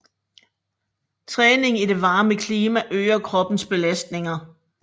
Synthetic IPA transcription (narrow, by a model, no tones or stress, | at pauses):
t͡sʰʁɛːne̝ŋide̝ʋɑ̈ːməkʰliːmæʔøːɐkʰʁɒ̽b̥n̩sb̥e̝læsd̥ne̝ŋɐ